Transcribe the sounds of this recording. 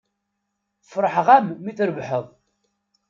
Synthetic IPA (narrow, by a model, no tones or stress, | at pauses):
fɾˤəħʁæmːiθɾəbħəðˤ